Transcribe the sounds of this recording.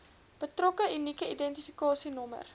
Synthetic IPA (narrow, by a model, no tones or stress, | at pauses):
b̥ətrɔkəynikəidɛntifikɑːsinɔmə̰r